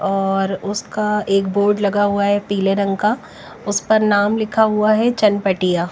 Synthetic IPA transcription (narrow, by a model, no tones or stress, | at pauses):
ɔːɾʊskaeːkboːɾɖlɐɡaɦuaɦɛpiːleɾɐ̃ŋɡka | ʊspɐɾnaːmlɪkʰaɦuaɦɛt͡ʃɐnpɐʈijaː